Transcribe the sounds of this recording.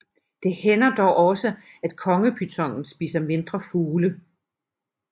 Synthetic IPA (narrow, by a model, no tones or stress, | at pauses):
d̥e̝henɐd̥ɒʊʔɒ̽sə | æd̥kʰɒ̽ŋəpʰyt͡sʰɒ̽ŋ̰n̩sb̥ḭːsɐme̝nd̥ʁɐfuːlə